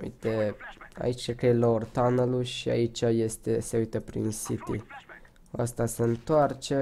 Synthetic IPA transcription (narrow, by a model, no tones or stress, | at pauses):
ṵjt̪e̞a̰it͡ʃsekelaort̪anəluʃia̰it͡ʃʲaje̞st̪e̞se̞ujt̪əpɾḭnsit̪i | ast̪ase̞ɨnt̪oart͡ʃe̞